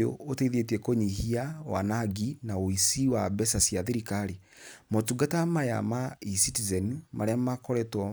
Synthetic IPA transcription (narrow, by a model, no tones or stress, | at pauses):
o̰oteiðetiɛkoɲihiawa̰naɡinaoisiwabɛsasjaðeɾikaɾi | motuɡatamaja̰maisitizɛnumʔa̰ɾeamakɔɾɛtwɔ